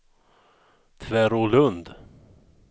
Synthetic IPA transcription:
t̪ʰvæɾolɵnd̪

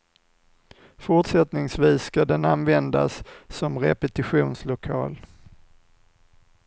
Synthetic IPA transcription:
fʊʈʂɛt̪nɪŋsviːsːkad̪ɛnanvɛnd̪a̰sːɔmɾɛ̰pɛt̪ɪɧuːnslʊkʰɑ̰ːl

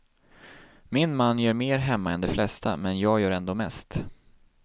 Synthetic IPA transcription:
mɪnmanːjœːɾmeːɾɦɛmːaɛnd̪ɛflɛst̪a̰mɛnjɑːɡjœːɾɛnd̪oːmɛst̪

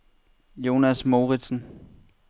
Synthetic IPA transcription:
jo̝næsmo̝ːʁid̥sn̩

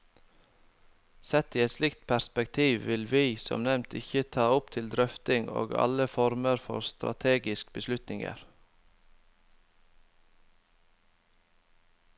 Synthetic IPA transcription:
sɛt̪iːɛt̪slɪkt̪̚pʰæspɛkt̪ʰiːʋʋɪlʋiːsɔ̰mnɛmnt̪ʰɪçət̪ʰɑːʊpt̪ʰɪld̪ɾœft̪ɪŋo̰ːɡɑ̰ləfɔɾməɾfɔ̰ɾst̪ɾɑ̰t̪ʰeːɡɪskbəslʉt̪nɪŋə̰ɾ

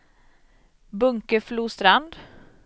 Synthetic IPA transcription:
bɵŋkəfluːst̪ɾand̪

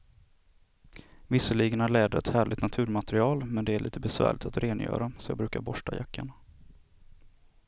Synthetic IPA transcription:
vɪsːəɭiːɡənaɭɛːd̪əɾɛ̰t̪hæːɭɪt̪nat̪ʰʉ̟ːɾmat̪ɛɾɪɑːlmɛnd̪ɛæɭʔḭːt̪əbɛsvæ̰ːɭɪt̪at̪ɾʔeːnjœ̰ːɾasɔjɑ̰ːbɾʉ̟ːkaɾbɔʂʈajakʰːaɳa

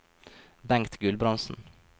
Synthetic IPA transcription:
bæŋt̪ɡʉlbɾɑnsn̩

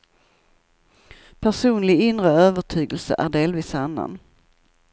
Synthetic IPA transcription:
pʰæʂuːnlɪɡɪnɾəøːvəʈʰyːɡəlsə̰ʔæɖeːlviːsanːa̰n

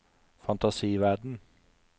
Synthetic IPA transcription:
fɑnt̪ɑsiːʋæɖɳ̩

